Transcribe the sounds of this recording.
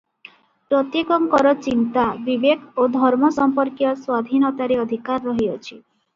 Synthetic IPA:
pɾɔt̪jekɔŋkɔɾɔt͡ʃint̪abibekʰod̪ʱɔɾmɔsɔmpɔɾkjɔswad̪ʱinɔt̪aɾeɔd̪ʱikaɾːɔɦiɔt͡ʃʰi

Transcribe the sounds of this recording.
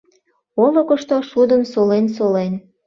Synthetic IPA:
olə̆kə̆ʃt̪oʃud̪ə̆msolensolen

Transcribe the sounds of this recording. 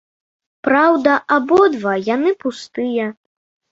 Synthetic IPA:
pɾawd̪ɐʔabɔd̪vajanɨpust̪ɨjɐ

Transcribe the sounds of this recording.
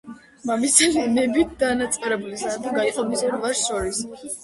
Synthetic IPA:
mamisɛlinɛbit̪̚ʰd̪anat̪sʼɛɾɛbulisat̪ʰaɡaiqʼɔbisaɾvaɾsʃɔɾis

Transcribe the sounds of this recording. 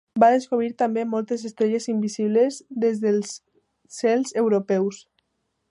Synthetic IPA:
baðeskoβ̞ɾiɾt̪ambemɔlˠt̪ezest̪ɾeʎezimbisiβ̞lezd̪ezðelˠs | sɛlˠzewɾopɛws

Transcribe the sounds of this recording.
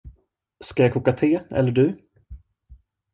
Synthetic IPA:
skajakʰuːkat̪ʰeːɛ̰lːəɖɵ

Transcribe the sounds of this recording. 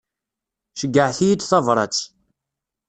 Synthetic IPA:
ʃəɡːəʕθijit͡sːθɑvɾˤɑ̰t͡sː

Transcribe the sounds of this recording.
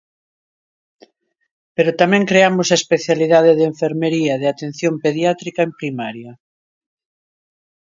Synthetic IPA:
peɾot̪amɛ̃ŋkɾeamʊsɐespeθjaliðað̞eðeɱfeɾmeɾiɐð̞eat̪ẽn̟θjompeðjat̪ɾikaempɾimaɾjɐ

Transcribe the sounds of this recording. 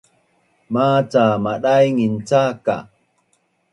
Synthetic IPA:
maːt͡samaɗajŋint͡saka̰

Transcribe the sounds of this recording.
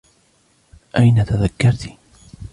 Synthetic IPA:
ʔajnat̪aðakːɑɾˤt̪i̥

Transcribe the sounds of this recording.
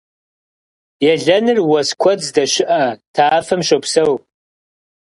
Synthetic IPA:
jaɮɐnɨrwaskʷʰɐd͡zdaʃɪʔatʰaːfɨmʃʷopʰsɐwʼ

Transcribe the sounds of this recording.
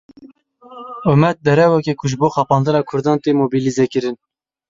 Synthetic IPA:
ʊmɛt̪̚d̪ɛɾɛwɛkʲekʰʊʒɨboːxɑpɑːnd̪ɨɾɑːkʰʊɾd̪ɑːnt̪eːmoːbilizekɨɾɨn

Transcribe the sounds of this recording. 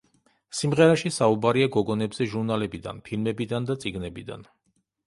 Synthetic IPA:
simʁɛɾaʃisaubaɾiaɡɔɡɔnɛbz̥ɛʒuɾnalɛbid̪a̰npʰilmɛbid̪and̪at̪sʼiɡnɛbid̪a̰n

